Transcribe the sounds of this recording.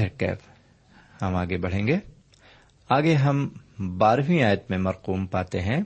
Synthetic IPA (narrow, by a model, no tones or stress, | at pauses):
əɾkɛ̰ːp | hɐmaːɡebɐɽ̤ẽːŋɡeː | aːɡeɦɐmbaːɾʋĩaːjət̪mẽmɐɾquːmpaːt̪eɦɛ̃ː